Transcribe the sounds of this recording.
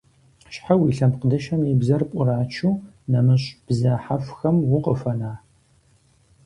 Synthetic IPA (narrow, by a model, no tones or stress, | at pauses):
ʃħawiɬɐmqədɐʃɐmibzɐrpʷʼʊraːt͡ʃʰuː | nɐmɨɕʼb̥zɐħafxɐmwʊqəfɐnaː